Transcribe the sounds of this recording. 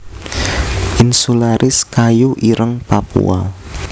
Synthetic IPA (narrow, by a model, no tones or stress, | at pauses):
ʔɪnsulaɾʔɪskajuʔiɾəŋpapṵa̰l